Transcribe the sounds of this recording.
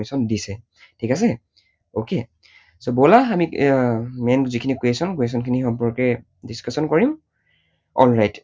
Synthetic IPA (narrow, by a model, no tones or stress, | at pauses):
esɔndisɛ | tʰikasɛ | oke | sobɔlaːmi | mɛnzikʰinikuesɔnkwes̬ɔnkʰinixɔmpɔɹkɛ | diskasɔnkɔɹim | ɔ̰lɹajt